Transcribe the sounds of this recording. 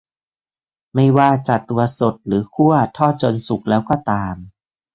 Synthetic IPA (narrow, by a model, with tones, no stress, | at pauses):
ma˥˩jwaː˥˩t͡ɕa˨˩t̪ːu˧ɐso˨˩t̪̚ɾɯː˩˦kʰu˥˩ɐt̪ʰɔː˥˩t͡ɕo˧nsu˨˩k̚lɛː˦˥wkɔː˥˩t̪aː˧m